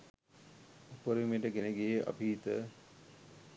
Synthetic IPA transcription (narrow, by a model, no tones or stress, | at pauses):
upəɾimeʈəɡeneɡejeʔɐ̰pit̪ə